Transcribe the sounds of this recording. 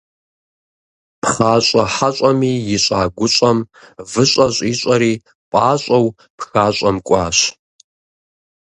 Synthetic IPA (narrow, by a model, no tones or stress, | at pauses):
pʰχaːɕʼɐħaɕʼɐmiːjɪɕʼaːɡʷʊɕʼɐmvɨɕʷʼɐɕʷʼiːɕʼɐɾiː | pʼaːɕʼɐw | pʰxaːɕʼɐmkʷʼɑːɕ